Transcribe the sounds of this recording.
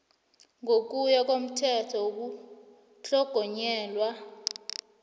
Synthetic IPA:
ŋʱok̬ujak̬ʼom̩tʰɛtʰɔok̬u | ɬɔɡ̥ʱɔɲɛːlwa

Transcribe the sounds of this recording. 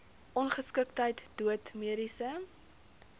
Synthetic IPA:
ʔɔnχəskəktəjtd̥uətmiəɾisə

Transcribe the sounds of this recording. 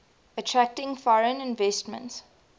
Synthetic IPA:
ətʰɹæk̚tɪ̃ŋfɔɹə̃nɪ̃nvɛstmə̰̃nts

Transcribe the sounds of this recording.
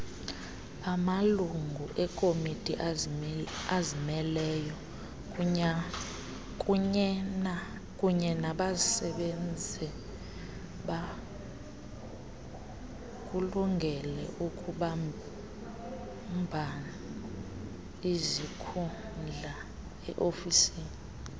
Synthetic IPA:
amaluŋɡʱuʔɛkʼomitʼi | azimɛlɛːjɔ | kʼu | kʼuɲɛnaɓazisɛɓend͡zʱɛ | ɓa | k̬ʼuluŋɡʱɛlɛ̰ʔukʼʰuɓa | mbʱana | izikʰund͡ɮʱa | ɛ̰ʔofisiːni

